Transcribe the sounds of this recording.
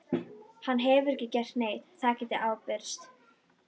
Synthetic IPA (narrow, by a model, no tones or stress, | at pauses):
hanːɦɛvʏɾɛhcɪcɛr̥t̪neːjt̪t̪ʰaːcɪt̪ɪʔaːwpɪɾ̥st̪